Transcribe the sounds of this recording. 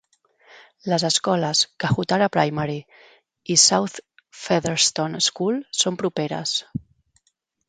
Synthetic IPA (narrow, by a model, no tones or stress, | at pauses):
ləzəskɔləskəxut̪aɾapɾajmaɾi | isawθ | feðəɾst̪oneskulsompɾupeɾə̰s